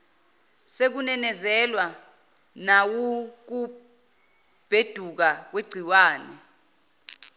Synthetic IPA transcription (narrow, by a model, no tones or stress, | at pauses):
sek̬unɛnɛzɛlwa | nawuk̬u | b̥ʱed̥ʱuk̬ak̬weɡ͡ǀʱiwaːnɛ